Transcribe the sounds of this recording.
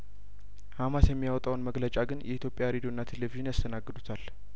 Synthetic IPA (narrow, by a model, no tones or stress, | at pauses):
hamasjɛmːijawɔt̪ʼawnməɡlət͡ʃʼaɡɨnjʔɛʔit̪ʰjo̞pʼjaɾed̪jonːat̪ʰe̞leviʒɪnjast̪ʰənaɡːɨd̪ut̪ʰal